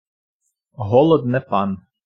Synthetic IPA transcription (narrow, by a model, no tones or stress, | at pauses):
ɦɔlˠɔd̪nɛpɑn